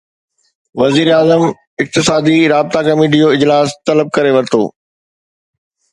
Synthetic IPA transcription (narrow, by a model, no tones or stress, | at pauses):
ʋɐziːɾaːzəm | ɪk̚t̪ɪsaːd̪iɾaːb̚t̪akɐmiːʈ̬ijoɪd͡ʑlaːst̪ɐləb̚kɐɾeʋɐɾɪt̪ʰo̰ː